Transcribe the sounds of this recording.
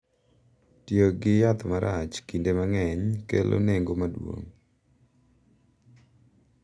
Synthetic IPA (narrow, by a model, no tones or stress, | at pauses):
tjoɡɪjat̪maɾat͡ʃkindemaŋɛɲkelʔo̰neŋɡomadwo̰ŋ